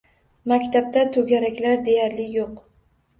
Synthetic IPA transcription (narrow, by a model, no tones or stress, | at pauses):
makʲt̪ʰab̚t̪at̪ʰɵɡʲaɾakʲlaɾd̪e̞jaɾlɪjoq